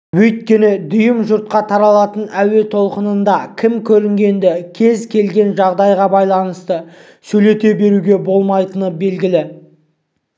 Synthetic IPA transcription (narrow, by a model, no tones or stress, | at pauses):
wɵjt̪̚kʲe̞nɪd̪ʊjəmʒʊɾt̪̚qɑt̪ʰɑɾɑlˠɑt̪ənæwe̞t̪ʰo̞lˠqənənd̪ɑkʲʰɪmkʲʰɵɾɪŋɡʲe̞nd̪ɪkʲʰe̞zkʲʰe̞lɡʲe̞nʒɑʁd̪ɑjʁɑbɑjlˠɑnəst̪ə | sɵjle̞t̪e̞be̞ɾuɡʲe̞bo̞lˠmɑjt̪ənəbe̞lɡʲɪlɪ